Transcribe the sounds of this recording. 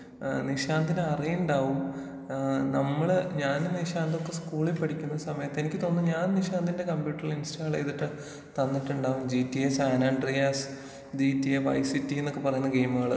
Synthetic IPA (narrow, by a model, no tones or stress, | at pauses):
niɕaːnd̪ʱinɨɐrijuɳɖaːʋum | nɐmːɐɭɲaːnniɕaːnd̪okːe̞skuːɭilpɐɽikʲːunːɐsɐmɐjɐt̪ːe̞nikʲːɨt̪o̞nːɨɲaːnniɕaːnd̪ʱinde̞kɐmbjuːʈːɐriɭinstaːɐɭḛjðiʈːɨ | t̪ɐnːiʈːuɳɖaːʋumd͡ʑiːtːiesaːnaːɳɖrijas | diːtːiefɐ̰jsitːienːokːepɐrɐjunːɐɡeːjmuɣɐɭ